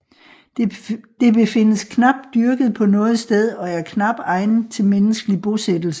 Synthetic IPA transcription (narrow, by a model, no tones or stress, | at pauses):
d̥e̝b̥e̝fe̝nəskʰnɑ̈b̥̚d̥ːyɐɡ̥əð̩ˠpʰɒ̽nɔ̽ːð̞̩ˠsd̥eð̞ˠɒ̽æɐkʰnɑ̈b̥d̥ɑ̈ɪn̩t͡sʰe̝lmenəsɡ̥əlib̥o̝sed̥l̩sə̥